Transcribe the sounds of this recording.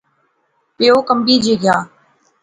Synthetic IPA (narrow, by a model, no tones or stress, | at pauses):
pɪoːkəmbiːd͡ʒeːɡjaː